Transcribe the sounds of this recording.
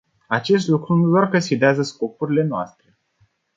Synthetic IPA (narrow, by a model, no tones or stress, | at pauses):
at͡ʃe̞s̬t̪lukɾunud̪oarkəsid̪eazəsko̞puɾile̞noast̪ɾe̞